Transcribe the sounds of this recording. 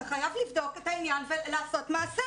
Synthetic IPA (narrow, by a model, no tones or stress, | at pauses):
χajavlivdo̞ketainjanvelaːso̞tmaːse